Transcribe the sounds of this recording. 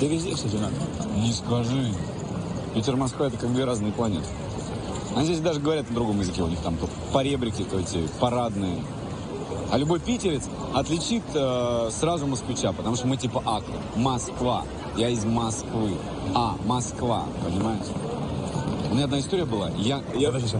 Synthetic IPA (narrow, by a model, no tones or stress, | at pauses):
t̪ɪvʲɪzʲdʲefsʲozʲɪnakənʲɪskɐʐɨ | pʲitʲɪrmɐskvɨɛt̪əkaɡd̪vʲeɾaznɨjəplˠɐnʲe̞t̪ɨ̥ | ɐnʲizʲesʲd̪aʐɨɡəvɐɾʲat̪əd̪ɾʊɡo̞mjɪzɨkʲeʊnʲixt̪amt̪ot̪pɐɾʲebɾʲɪkʲɪt̪oɛtʲɪpɐɾad̪nɨjə | ɐlʲʊbo̞fʲpʲitʲɪɾʲɪt̪s | ɐt̪lʲɪt͡ɕit̪əsrazʊməskvʲɪt͡ɕapət̪ɐmuʂt̪oəmɨtʲipəʔakt̪əmɐskva̰ | jaɪzmɐskvɨ | amɐskva̰pənʲɪmajɪʂ | ʊmʲnʲaɐd̪naɪst̪oɾɪjəbɨlˠa̰jajad̪